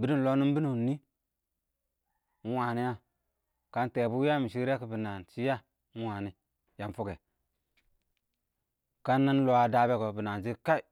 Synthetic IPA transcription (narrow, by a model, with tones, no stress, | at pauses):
bi˦di˦n˨lo˦ni˦mbi˦nu˨nːi˦ | n̩˦wa˨ni˦ja˦ | ka˦nte˨bu˦a˦mi˨ʃi˦ɾe˦ki˨bi˨na˨nt͡ʃi˦ja˦ | n̩˦wa˨ni˦ | ja˨mfu˦ɡe˨ | ka˦nːa˦n˦lo˦a˨da˦be˦ko˨bi˨na˨d͡ʒi˦ka˦i˦˨